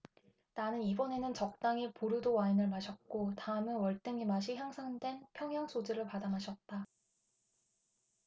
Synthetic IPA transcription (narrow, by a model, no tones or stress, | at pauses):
nanɯnibʌne̞nɯnt͡ɕʌk̚t͈aŋipuɾudowainɯɭmaɕʰʌt̚k͈otaɯmɯnwʌɭt͈ɯŋimaɕʰiçjaŋsʰaŋdwe̞npʰjʌŋjaŋsʰod͡ʑɯɾɯɭpadamɦaɕʰʌt̚t͈a